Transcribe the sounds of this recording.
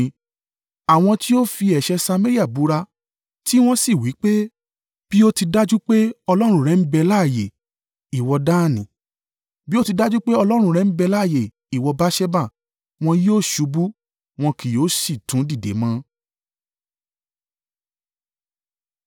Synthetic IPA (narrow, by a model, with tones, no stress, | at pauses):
a˨w̃ɔ̃˧ti˦o˦fi˧ɛ˨ʃɛ˧sa˧me˦ɾi˦a˦˨bu˨˦ɾa˧ | ti˦w̃ɔ̃˦si˨wi˨˦k͡pe˦ | b̥i˦o˦ti˧da˦d͡ʒu˦k͡pe˦ɔ˧lɔ˦ɾ̃ũ˧˦˨ɾɛ˧˦m̩˦bɛ˧laː˦˨je˨ | i˨wɔ˧da˦˨nĩ˨ | bi˦o˦ti˧da˦d͡ʒu˦k͡pe˦ɔ˧lɔ˦ɾ̃ũ˧˦˧ɾɛ˧m̩˦bɛ˧la˦˨je˨ | i˨wɔ˧ba˦ʃɛ˦ba˦˨ | w̃ɔ̃˧joː˦˨ʃu˨˧bu˦ | w̃ɔ̃˧kʰi˨jo˨˦si˦˨tũ˨˦di˦˨dḛ˨˦mã˧˦